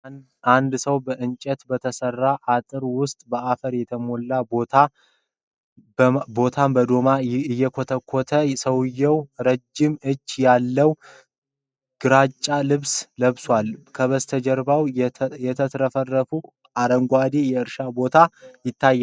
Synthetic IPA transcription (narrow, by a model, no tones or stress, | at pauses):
and̪səwbəʔɨnt͡ʃʼɛt̪bət̪ʰəsərːaʔat̪ʼɨɾwʊst̪ʼbəafəɾjɛt̪ʰəmolːabo̞t̪ʰa | bo̞t̪ʰambəd̪o̞maɨjːɛkʰot̪ʰəkʰːot̪ʰəsəwɨjːɛwɾəd͡ʒːɪmɨt͡ʃːjalːəw | ɡ̥ɨɾat͡ʃʼːalɨβsləβswalkʰəβəst̪ʰəd͡ʒɛɾbawjɛt̪ʰət̪ʰɾəfərːəfu | aɾəŋɡʷad̪ejɛɨɾʃabo̞t̪ʰajɪt̪ːajːa